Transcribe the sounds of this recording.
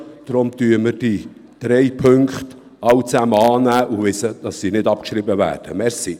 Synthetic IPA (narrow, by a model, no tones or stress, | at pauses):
d̥ɾʊmt̪yːəməɾd̥id̥ɾɛɪpʰɵŋkχt | ɑwt͡sæməɑːnæːʔʊvɪsəd̥ɑsːiːnɪdɑpkʃɾibəvæ̰ːrd̥əmɛɾsi